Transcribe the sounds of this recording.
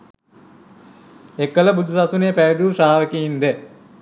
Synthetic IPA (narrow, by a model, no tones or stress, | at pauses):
ekːələbud̪ʱusasuneːpæjed̪usaːʋəkiind̪ɛ